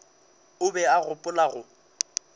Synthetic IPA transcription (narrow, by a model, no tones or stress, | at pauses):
ʊbɛaɣʊpʼʊlaɣʊ